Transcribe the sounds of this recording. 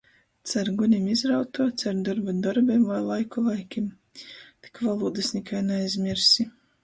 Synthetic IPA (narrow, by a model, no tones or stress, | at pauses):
t̪saɾɡunʲimizɾawt̪uɔt̪saɾd̪ɔɾbad̪ɔɾbemvajlˠajkulˠajkʲim | t̪i̥kvalˠuːd̪ɨsnʲikʰajnɛajzʲmʲiɾsʲi